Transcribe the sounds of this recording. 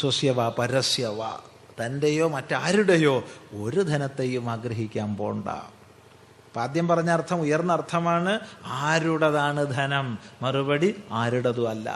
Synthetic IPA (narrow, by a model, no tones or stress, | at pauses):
swɐsjɐʋaːpɐɾɐsjɐʋa̰ː | t̪ɐndejo̞ːmɐtːɨaːɾuɽɐjo̞ːoɾud̪ʱɐnɐt̪ːe̞jumaːɡɾɐɦikʲːaːmpo̰ːɳɖa̰ː | paːd̪jɐmpɐrɐɲːaɐrt̪ʰɐmujɐrnːɐrt̪ʰɐmaːɳɨaːɾuɽɐðaːɳɨd̪ʱɐnɐmːɐrubɐɽiaːɾuɽɐðuɐlːɐ̰